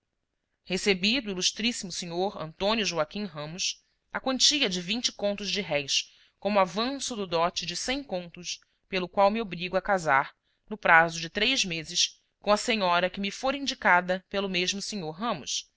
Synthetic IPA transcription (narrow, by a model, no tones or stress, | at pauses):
hesebid̪ʊiluʃt̪ɾisimʊseɲoɾɐ̰̃nt̪õnjʊʒuakʲĩɦɐ̃mʊs | ɐkwɐ̃nt͡ʃiɐd͡ʒɪvĩnt͡ʃɪ̥kõnt̪ʊzd͡ʒɪɦɛjs | kõmʊavɐ̃sʊd̪ʊd̪ɔt͡ʃɪd͡ʒɪsẽj̃kõnt̪ʊʃ | pelʊkwawmiobɾiɡuɐkazaɾ | nʊpɾazʊd͡ʒɪt̪ɾejzmezɪs | kõɐsẽɲɔɾɐkɪmifoɾĩnd͡ʒikad̪ɐpelʊmeʒmʊseɲoɾɦɐ̃mʊ̰s